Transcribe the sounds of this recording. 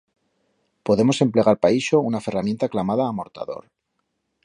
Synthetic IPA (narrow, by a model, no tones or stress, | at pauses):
po̞ðe̞mo̞se̞mple̞ɣaɾpaiʃo̞unafe̞ramje̞nt̪aklamaðaːmo̞ɾt̪a̰ðo̞̰ɾ